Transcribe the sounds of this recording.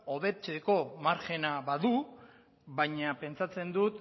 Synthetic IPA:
o̞βe̞t͡se̞ko̞maɾxe̞naβaðu | βaɲape̞nt͡sat͡se̞nd̪ut̪

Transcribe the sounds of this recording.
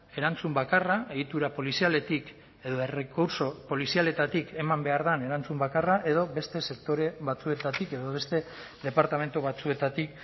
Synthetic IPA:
e̞ɾant͡sumbakaraʔeɣit̪uɾapo̞lisiale̞t̪ik | e̞ðo̞e̞rekuɾso̞po̞lisiale̞t̪at̪ike̞mambe̞aɾðane̞ɾant͡sumbakaraʔe̞ðo̞βe̞st̪e̞se̞kt̪o̞ɾe̞βat͡sue̞t̪at̪ike̞ðo̞βe̞st̪e̞ | ðe̞paɾt̪ame̞nt̪uβat͡sue̞t̪at̪ik

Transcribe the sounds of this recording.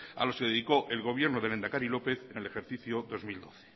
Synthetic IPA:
a̰loskeðeðiko̞ʔelɣ̞o̞βje̞ɾnoðele̞nd̪akaɾilo̞pe̞θenele̞xe̞ɾθiθjoðo̞zmild̪o̞θe̥

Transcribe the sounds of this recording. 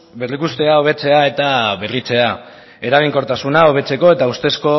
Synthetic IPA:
be̞rikust̪e̞ao̞β̞e̞t͡se̞ae̞t̪aβe̞rit͡se̞a | e̞ɾaɣ̞iŋko̞ɾt̪asunao̞βe̞t͡se̞ko̞e̞t̪aust̪e̞sko̞

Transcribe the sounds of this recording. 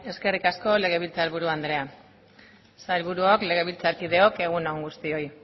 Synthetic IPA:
e̞ske̞rikasko̞le̞ɣ̞e̞βilt͡salβuɾuand̪ɾe̞a | sajlβuɾuokle̞ɣ̞e̞β̞ilt͡saɾkið̞e̞o̞ke̞ɣ̞unoŋɡust̪io̞j

